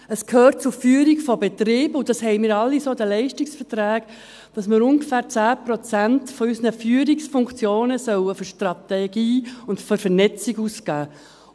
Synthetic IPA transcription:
əskʰhøːt̚t͡sʊɾfyːəɾikfɔbet̪ɾiːbʊd̥ɑshɛɪmɪːɾɑlːisoːd̪əlɛɪʃtiksfətɾæːɡ | d̥ɑsmɪɾʊŋɡəfæːɾt͡sæːpɾɔt͡sæntfɔysənəfyːəɾiksfʊŋkt͡sjoːnəsœwəfɔʃtrɑt̪ɛɡiːʊntfɔɾfəɾnɛt͡siɡuskæː

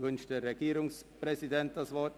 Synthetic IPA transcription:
vʏnʃtd̥eːɐʁeɡiːʁʊŋspʁ̥ɛzidɛnt̚d̥asv̥ɔɐt

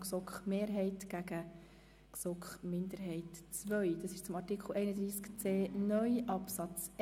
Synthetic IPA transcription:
ksɔkχmeːɾɦɛɪtɡ̥æɡə | ksɔkχmɪnd̪əɾɦɛɪtt͡sʋœʏd̥ɑːsɪʃt͡sʊmɑrtɪkχl̩ɛɪnəd̪ɾiːskt͡seːnœʏʔɑpsɑt͡s

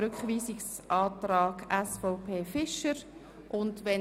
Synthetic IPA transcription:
ɾʏkχʋiːsiks | ʔɑːtɾaːɡæsfoʊpʰeːfɪʃəɾ | ʔʊndʋɛ

